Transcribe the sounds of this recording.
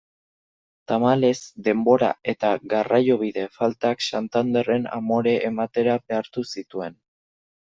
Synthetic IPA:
t̪amale̞zd̪e̞mbo̞ɾa̰e̞t̪aɣarajo̞β̞iðe̞falt̪aksant̪and̪e̞re̞na̰mo̞ɾe̞ʔːmat̪e̞ɾabe̞aɾt̪usit̪ue̞n

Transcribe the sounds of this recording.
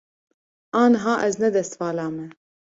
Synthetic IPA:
ɑːnɦɑːʔɛznɛd̪ɛst̪vɑːlaːmɛ

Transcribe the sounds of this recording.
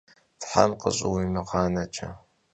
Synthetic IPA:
tħa̰mqə̰ɕʼɪwimɨqɑːnɐt͡ʃʰʼɐ

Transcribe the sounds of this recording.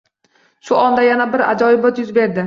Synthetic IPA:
ʃʊɒnd̪ajanabɪɾa̰d͡ʒɒjɪbɒt̪jʊzbe̞ɾd̪ɪ

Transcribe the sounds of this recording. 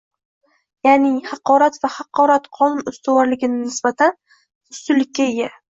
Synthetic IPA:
janɪhɑqɒɾat̪vahɑqʰɒɾat̪qʰɒnʊnʊst̪ʰawɒɾlɪɡʲɪnɪnɪsbat̪ʰan | ʊst̪ʊlːɪkʲːaeɡʲa

